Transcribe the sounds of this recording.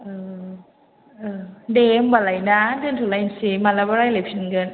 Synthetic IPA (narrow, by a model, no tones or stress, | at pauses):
ʔɤː | ʔɤːdeːmbalajnadɯːnt̪ʰulaʔinsimalabaɾajlep̚sʰinɡɯn